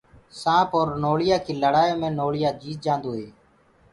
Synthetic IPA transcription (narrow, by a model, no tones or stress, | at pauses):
sãːpoːɾnoːɭɪjaːkʰiːləɽaːjõːmẽːnoːɭɪjaːd͡ʒiːt̪̚d͡ʒãːnd̪oːɦeː